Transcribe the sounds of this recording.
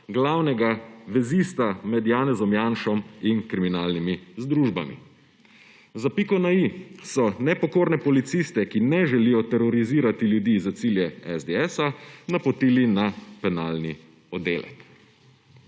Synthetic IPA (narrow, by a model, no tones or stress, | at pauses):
ɡlawnɛɡaʋɛzist̪amɛd̪jaːnɛzɔmjanʃɔminkɾiminaːlnimizd̪ɾuʒba̰mḭ | zapikɔnaisɔnɛpɔkoːɾnɛpɔlit̪siːst̪ɛkinɛʒɛlijɔt̪ɛɾɔɾiziːɾat̪iljud̪izat̪siljɛɛzd̪eɛsanapɔt̪iːlinapɛnaːlni | ɔd̪ḛːlɛ̰k